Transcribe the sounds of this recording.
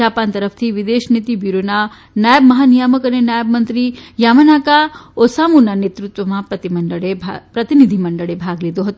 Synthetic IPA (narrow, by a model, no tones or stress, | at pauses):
aːpant̪ɐɾəfʰt̪ʰiʋid̪eːʃnit̪ibiɾona | najəbmɐɦanijaməkɐnenjajəb̚mɐnt̪ɾijamənakaosaːmunanet̪ɾut̪ʋɐmapɐt̪imɐɳɖəɭebʱpɾɐt̪inid̪ʱimɐɳɖəɭebʱaɡlid̪oɦɐt̪u